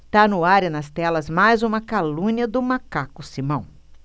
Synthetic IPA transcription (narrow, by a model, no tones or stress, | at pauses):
t̪anʊaɾɐnɐst̪ɛlɐzmajzũmɐkalũɲɐd̪ʊmakakʊsimɐ̃w̃